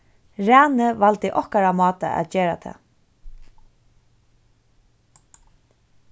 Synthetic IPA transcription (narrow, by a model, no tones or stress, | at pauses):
ɾæːnəʋalt̪ɪʔɔhkaɾamɑːt̪a̰ʔæ̰t̪d͡ʒeːɾat̪ʰɛ̰ː